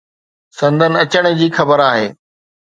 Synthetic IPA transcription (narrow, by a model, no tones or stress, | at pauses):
sɐ̃nd̪ʱənɪ̆ɐt͡ɕəɽ̃ɪ̆d͡ʑiːxɐbəɾaːɦeː